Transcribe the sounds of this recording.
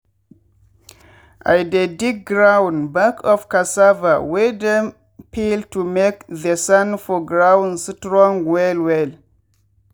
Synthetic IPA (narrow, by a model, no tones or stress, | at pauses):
ʔa̰jdedik̚ɡɾawnbakʰɔfkasavawedɛm | piltumekðəsãnfɔɡɾawnstɾɔ̃ŋwɛlwɛl